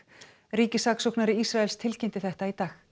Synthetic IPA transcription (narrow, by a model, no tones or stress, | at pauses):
ɾiːcɪsaːksowknaɾɪisɾaɛlst̪ʰɪlcent̪ɪθɛht̪ait̪aːx